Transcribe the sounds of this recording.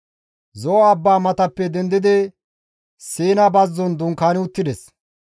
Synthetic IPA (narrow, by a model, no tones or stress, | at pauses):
zɔɐbːaːmɐt̪ɐpːɛd̪ɛnd̪ɪd̪ɛ | siːnɐbɐzːɔnd̪ʊŋkaːnɪʊt̪ːɪd̪ɛs